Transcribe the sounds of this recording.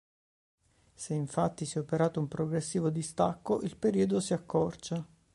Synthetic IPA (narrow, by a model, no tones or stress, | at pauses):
seiɱfat̪ːisjɛopeɾaːt̪oumpɾoɡɾesːiːvod̪ist̪akːoʔilpeɾiːod̪osiakʰːɔrt͡ʃa